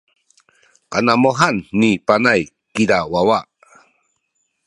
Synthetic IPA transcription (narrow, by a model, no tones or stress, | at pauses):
kanamoɦanːipanaj | kiɾawawa